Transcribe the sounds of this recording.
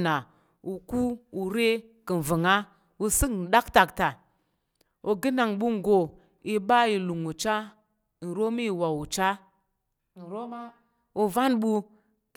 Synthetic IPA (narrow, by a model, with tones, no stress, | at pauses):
na˨ | u˨ku˦u˨ɾe˦ | ki˨n˨və˨ŋa˦ | wu˦si˦kn̩˨ɗa˦kta˨kta˨ | o˨ɡi˦na˨ŋɓu˦ŋ˨ɡo˨ | i˨ɓa˦i˨lu˨ŋu˨t͡ʃa˦˨ | n̩˨ɾo˦mi˦˨wa˨wu˨t͡ʃa˦˨ | n̩˨ɾo˦ma˦ | u˨va˦nɓu˦ | k